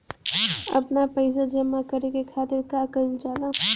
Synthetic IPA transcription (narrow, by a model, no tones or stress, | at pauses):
ɐ̰pnapəɪs̬ad͡ʒɐmakəɾekekʰaːt̪ɪɾkaːkəɾt͡ʃaːla